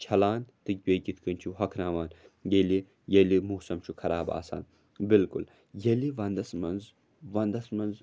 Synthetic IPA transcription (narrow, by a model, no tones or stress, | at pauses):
t͡ʃʰɐlaːnt̪ɨɡʲeɡʲit̪ʰkɐnt͡ʃʰuɦɐkʰnaːʋaːnjeli | jelimuːsɐmt͡ʃʰukʰɐɾaːba̰ːsa̰ːn | bilkṵl | jɐliʋɐnd̪ɐsmɐnz | ʋɐnd̪ɐsmɐnz